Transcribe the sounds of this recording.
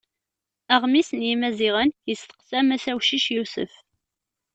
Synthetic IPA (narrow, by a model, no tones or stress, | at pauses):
æʁmisənjimæziʁənjəsθə̥qθæmæsæwʃiʃjusə̰f